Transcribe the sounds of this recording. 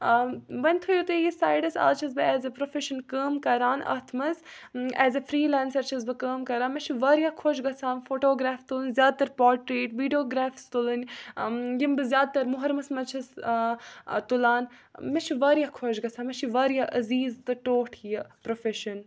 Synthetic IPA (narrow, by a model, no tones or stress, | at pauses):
bɐnʲt̪ʰujut̪ɨjisaːjɖɐsa̰ːt͡ʃʰɐzbɨɛːzɐpɾofeʃɐnkəːmkɐɾaːnɐ̰t̪ʰmɐzɛːzɐfɾiːlaːnsɐɾt͡ʃʰɐzbɨkəːmkɐɾãːnmɐt͡ʃʰiʋaːɾjaːkʰoʃɡɐsʰãːnfoːʈoːɡɾaːft̪ulɐnʲzʲjaːd̪̚t̪ɐɾpaːɾʈɾeːʈʋiːɖijoːɡɾaːfst̪ulɐnʲ | jimbɨzʲjaːd̪̚t̪ɐɾmʊɦɐɾmɐsmɐt͡ʃʰɐs | t̪ulaːn | mɐt͡ʃʰiʋaːɾijakʰoʃɡɐt͡sʰaːmɐt͡ʃʰiʋaːɾjaːʔɐziːzt̪ɨʈoːʈʰijɐpɾofeʃɐn